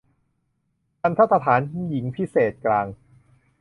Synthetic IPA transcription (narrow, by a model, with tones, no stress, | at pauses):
ka˧nt̪ʰa˥˩sa˧t̪ʰaː˩˦n˥ji˩˦ŋpʰi˦˥seː˨˩t̪̚klaː˧ŋ